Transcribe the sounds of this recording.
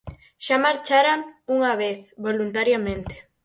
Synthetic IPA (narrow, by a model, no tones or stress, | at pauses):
ʃamaɾt͡ʃaɾaŋuŋaβeθβolunt̪aɾjamẽnt̪e̥